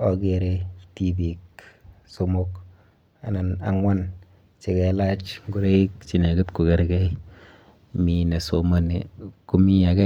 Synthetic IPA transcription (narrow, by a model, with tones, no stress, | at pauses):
ɔ˨ke˨ɾe˦ti˨bi˨kso˦mo˦k | a˨na˨na̰˨ŋwa˦n | t͡ʃe˨kɛ˨˦la˦t͡ʃŋɡu˦ɾe˦i˦kt͡ʃi˨ne˨ku˦tku˨kɛ˦ɾkɛ˦j | mi˨ne˨so˨ma˦ni˨ku˦mi˦a˨kɛ˦